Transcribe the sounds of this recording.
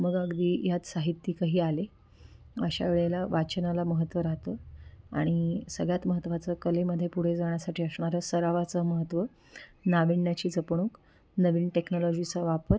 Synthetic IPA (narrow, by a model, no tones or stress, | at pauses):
məɡəɡd̪iːjat̪saɦit̪ːiːkaɦiːale | əɕa̰ʋeɭelaʋat͡ɕənalaməɦət̪ːʋəɾat̪əa̰ɽ̃isəɡɭjat̪məɦət̪ʋat͡səkəleməd̪ʱːjepuɽ̤ed͡zaɳ̃jasaʈʰiːəsɳaɾəːsəɾaʋat͡səməɦət̪ʋə | naʋiɳːjat͡ɕiːd͡zəpɳ̃uːk | nəʋiːnʈeknɔlɔd͡ʑit͡saʋapəɾ